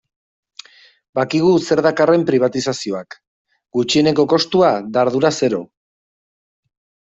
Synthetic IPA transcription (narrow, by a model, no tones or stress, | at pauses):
bakiɣ̞use̞ɾðakare̞mpɾiβ̞at̪isasio̞ak | ɡut͡ʃie̞ne̞ko̞ko̞st̪uad̪aɾðuɾase̞ɾo̞̰